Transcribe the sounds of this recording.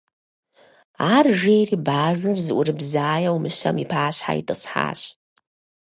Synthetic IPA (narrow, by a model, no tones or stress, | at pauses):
aːrʒejriːbaːʒʷɨrzɨʔʷʊrɨbzaːjɐwmɨʃɐmipʰaːɕħa̰ḭtʼɨsħa̰ːɕ